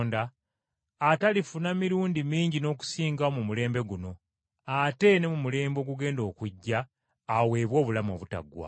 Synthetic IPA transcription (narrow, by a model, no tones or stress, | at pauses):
ndaː | talifunamiɾuːndimiːɲɟino̞ːk̬u̥siːŋɡaomumule̞ːmbe̞ɡuno̞ | ate̞ne̞mumule̞ːmbo̞ɡuɡe̞ːndo̞ːkuɟːaː | we̞ːβwo̞ːβulamo̞̰ːβuta̰ɡwa̰